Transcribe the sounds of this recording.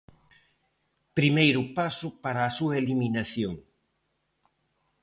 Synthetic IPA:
pɾimejɾʊpasʊpaɾaːsuɐeliminaθjoŋ

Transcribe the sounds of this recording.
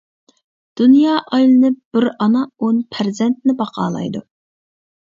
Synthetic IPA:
d̪̥unjɑːʔɑjlˠɨnɨb̥ɪɾɑnɑonpʰæɾzɛnt̪̚nɪbɑqʰɑ̰ːlˠɑ̰jd̪u

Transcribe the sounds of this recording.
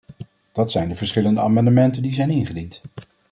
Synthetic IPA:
d̥ɑtsɛjndəvəɹsχɪləndəaːmɑndəmɛntəndizɛjnɪnχədint

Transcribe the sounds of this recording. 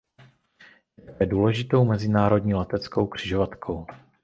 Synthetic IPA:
t̪akɛːduːlɛʒɪt̪o̞wmɛzɪnaːɾo̞dɲiːlɛt̪ɛt͡sko̞wkr̝̥ɪʒo̞vat̪kʰo̞w

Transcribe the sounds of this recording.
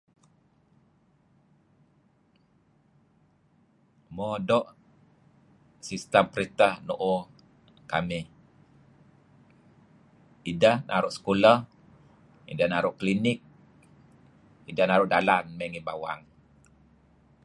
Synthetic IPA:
mɔdɔʔ | sist̪əmpəɾit̪əhnuʔo | ka̰mɪh | idəhnʔa̰ɾʊʔsə̥kolə | ḭdahnaɾʊʔklinɪk̚ | idəhnaɾʊʔdalanmeŋibawa̰ŋ

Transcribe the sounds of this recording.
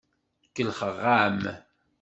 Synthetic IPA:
kəlχəʁɑːmə̰

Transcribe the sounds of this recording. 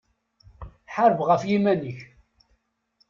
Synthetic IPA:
ħəɾəvʁəfjimænəç

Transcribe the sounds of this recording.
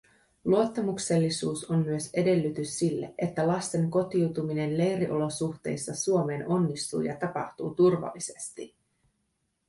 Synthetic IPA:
luo̞t̪ːɑmukse̞lːisuːso̞mːyøse̞de̞lːyt̪ysːilːe̞̰ʔe̞t̪ːælɑst̪e̞ŋko̞t̪iwt̪umine̞nle̞jɾiʔo̞lo̞suxt̪e̞jsːɑsuo̞me̞ːno̞nːist̪ṵːjɑ̰t̪ɑpɑht̪uːt̪urʋɑ̰lːise̞st̪i

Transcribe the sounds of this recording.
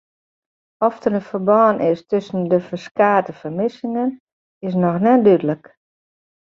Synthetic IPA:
ɔftənəfərbɔːnʔɪstøsəndəfərskaːtəfərmɪsɪŋən | ɪs̬nɔxnɛdydələk

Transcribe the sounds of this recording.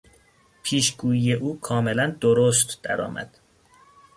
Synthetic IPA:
pʰiːʃɡuːiːje̞ʔuːkʰɒːme̞lænd̪oɾost̪d̪̥æɾɒ̰ːmʔæ̰d̪̥

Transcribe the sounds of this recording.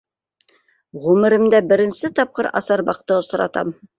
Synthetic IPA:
ʁʉmɘ̆ɾɘ̆md̪æbɪ̆ɾɪ̆nsɪt̪ʰɑp̚qɤɾɑ̰sɑɾbɑq̚t̪ɤʊ̆sɾɑ̰t̪ɑ̰m

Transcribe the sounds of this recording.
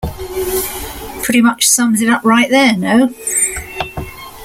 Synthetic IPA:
pʰɹ̥ɪɾimʌt͡ʃsʌ̃mzɪɾʌpɹaɪʔðənoʊ

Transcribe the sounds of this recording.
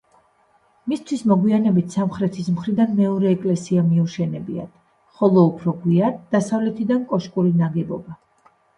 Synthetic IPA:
mist̪ʰwismɔɡwianɛbit̪ʰsamχɾɛt̪ʰismχɾid̪anmɛɔɾɛːkʼlɛsiamiuʃɛnɛbia̰d̪̥ | χɔlˠɔupʰɾɔɡwiaɾd̪̥asavlɛt̪ʰid̪ankʼɔʃkʼuɾinaɡɛbɔba

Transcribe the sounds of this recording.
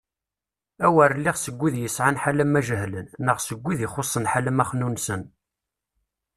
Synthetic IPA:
æwəɾlːiʁsəɡʷːiðjəsʕanħalæmːæʒəɦlənːəʁsəɡʷːiðiχosˤːənħaləmæχnunsən

